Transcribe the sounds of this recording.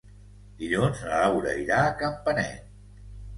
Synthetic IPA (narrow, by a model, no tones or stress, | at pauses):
d̪iʎunznəlawɾə̰iɾaːkəmpənɛ̰t̪